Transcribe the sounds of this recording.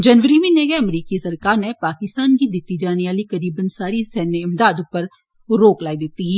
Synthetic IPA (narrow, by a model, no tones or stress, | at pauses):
d͡ʒənʋəɾimĩneːɡɛɐmɾiːkisɐɾkaːɾnepaːkɪst̪aːnkid̪ɪt̪ːid͡ʒaːneaːlikəɾiːbənsaːɾisɛːneɪmd̪aːd̪ʊpːəɾ | ɾoːklaːid̪ɪt̪ːiɦiː